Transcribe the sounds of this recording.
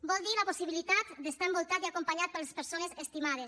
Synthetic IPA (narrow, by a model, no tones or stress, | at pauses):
bɔlˠd̪iləposiβilit̪at̪d̪əst̪aembolˠt̪at̪iakompaɲat̪̚pəlespəɾsonezəst̪imað̞es